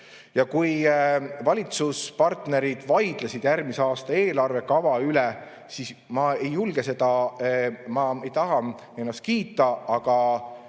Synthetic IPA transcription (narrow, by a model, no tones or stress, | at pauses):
jɑkujvɑlʲit̪suspɑrt̪ne̞ɾid̪̥vɑjd̪̥lesid̪̥jærɡmiseɑːst̪ɑe̞ːlɑrve̞kɑvɑylɛ | sismɑe̞jːulɡ̥e̞se̞d̪̥ɑ | mɑejt̪ɑɦɑ | enːɑst̪̚kiːt̪ːˑɑɑɡ̥ɑ